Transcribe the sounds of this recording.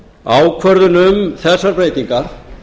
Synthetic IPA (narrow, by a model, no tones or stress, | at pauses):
aːwkʰvœɾðʏnʏmθɛsːaɾpɾejt̪iŋkaɾ̥